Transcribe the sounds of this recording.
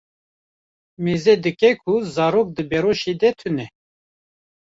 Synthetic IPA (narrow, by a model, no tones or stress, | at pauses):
meːzɛd̪ɨkɛkʰuzɑːɾoːk̚d̪ɨbɛɾoːʃeːd̪ɛt̪ʰɨnɛ